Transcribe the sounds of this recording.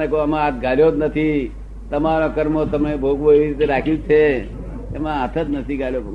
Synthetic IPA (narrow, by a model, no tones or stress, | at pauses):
ekoəmãat̪ɡʱaljod̪nət̪ʰi | t̪əmaɾokəɾmot̪əmebʱoɡʋoeʋiɾit̪eɾakʰjũt͡ʃʰe | ḛmãət̪ʰət̪nət̪ʰiɡʱaljob